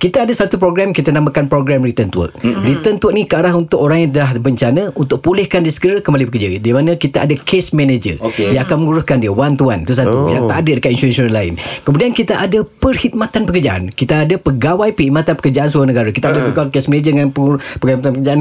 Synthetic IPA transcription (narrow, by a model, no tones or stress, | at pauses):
kit̪aadasat̪upɾoɡɾɛmkit̪anamãkanpɾoɡɾɛmrit̪ənt̪uə̰k̚rit̪ənt̪wək̚nikaaɾaɦunt̪ʊkoɾaŋjaŋt̪̬əlahbəɲt͡ʃanə̃unt̪ʊʔ̚pulɪhkandiəsəɡəɾakəmbalipəkəd͡ʒadimanə̃kit̪aʔa̰dakesmẽned͡ʒə̰okjaŋakanməŋuɾʊskandiəwant̪uant̪us̬at̪ṵjã̰ŋt̪aadədəkat̪inst̪uɛnsonalaɪ̰nkəmudiankit̪aʔadapərhit̪̚mat̪anpəkərd͡ʒaʔa̰nkit̪aːdapəɡawajpəhimat̪anpə̥kərd͡ʒaʔansuanəɡaɾakit̪aadapəɡawakesmened͡ʒədəŋanpəpəimat̪anpəkəd͡ʒaan